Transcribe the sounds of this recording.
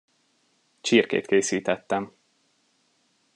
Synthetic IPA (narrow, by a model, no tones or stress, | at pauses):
t͡ʃirkḛːt̪keːsiːt̪ɛt̪ːɛm